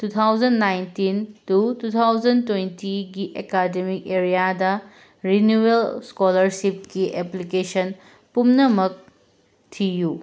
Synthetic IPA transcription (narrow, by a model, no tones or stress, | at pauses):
tut̪ʰawd͡ʒɐnːajntintutut̪ʰawd͡ʒɐntwentiɡiʔekademik̚eɾijadɐ | ɾinjuelskolɐɾsip̚kiʔeplikesɐn | pumnɐmɐk̚ | tʰiju